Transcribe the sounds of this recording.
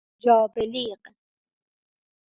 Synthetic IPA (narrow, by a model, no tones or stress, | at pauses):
d͡ʒɔːbeliːq